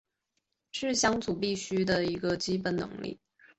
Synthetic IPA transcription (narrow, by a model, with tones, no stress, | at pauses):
ʂɻ̩˥˩ɕjɑ˥ŋt͡su˨˩pi˥˩ɕy˥d̪ə˨i˧˥ɡə˧t͡ɕi˥pə˨˩nnɤ̰˧˥ŋlḭ˥˩